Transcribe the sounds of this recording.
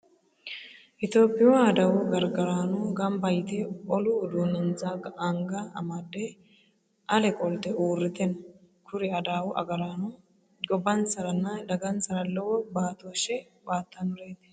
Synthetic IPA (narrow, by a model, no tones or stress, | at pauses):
ʔɪt̪o̞ːpːɪwɐːd̪ɐwɔɡɐɾɡɐɾaːnɔɡɐmbɐjt̪ɛɔlʊːd̪uːnɐnt͡saɡɐŋɡɐɐmɐd̪ɛ | ʔɐlɛkʼɔlt̪ɛuːrːɪt̪ɛnɐ | kʰʊɾɪɐd̪aːwʔɐ̰ɡɐɾaːnɔ | ɡɔbːɐnsɐɾɐnːɐd̪ɐɡɐnsɐɾɐlːɔwɔbaːt̪oːʃɛ | baːt̪ːɐnʊɾeːt̪ɛ̥